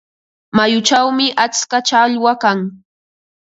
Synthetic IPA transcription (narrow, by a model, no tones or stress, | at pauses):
majʊt͡ʃawmɪʔat͡skat͡ʃaʎwakaŋ